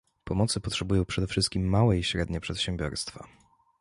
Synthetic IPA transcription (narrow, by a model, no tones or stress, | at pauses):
pɔmɔt̪sɘpɔtʂɛbujɔ̃w̃pʂɛd̪ɛfʂɘst̪̚kʲimːawɛiɕɾɛd̪ɲɛpʂɛt̪ɕɛmbʲjɔ̰ɾst̪fa̰